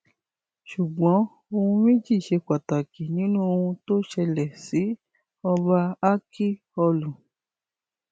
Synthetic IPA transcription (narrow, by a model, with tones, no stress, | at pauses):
ʃu˨ɡ͡bɔ̃˨˦ | o˧hũ˧mĩ˦d͡ʒi˦˨ʃe˧k͡pa˨ta˨ki˨nĩ˨˦nũ˦o˧ũ˧to˦ʃɛ˧lɛ˨si˨˦ | ɔ˧ba˧a˦kʰi˦ | ɔ˧lũ˨